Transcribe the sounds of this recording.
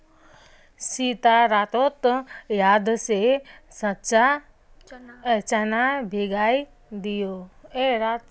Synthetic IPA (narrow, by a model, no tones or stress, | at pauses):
sit̪aɾaːt̪ot̪jaːd̪sesɐtt͡ʃa | t͡ʃanabʱeːɡaːi | d̪ijoːeɾat̪